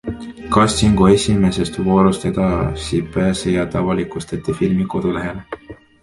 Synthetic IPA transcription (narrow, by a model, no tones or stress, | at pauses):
kɑsːiŋɡue̞sʲime̞se̞st̪vo̞ːɾust̪ed̪̥ɑsipæːsejɑt̪ɑvɑlikust̪ɑt̪ːifilmiko̞d̪̥ule̞ɦe̞le